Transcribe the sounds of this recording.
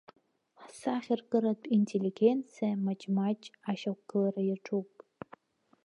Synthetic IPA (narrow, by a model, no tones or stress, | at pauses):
ħsaχʲɪrkʼɨɾatʼintʰelʲiɡʲent͡sʰijamat͡ʃʼmat͡ʃʼaʃakʷɡ̥ɨlarajaʈ͡ʂʰʼupʼ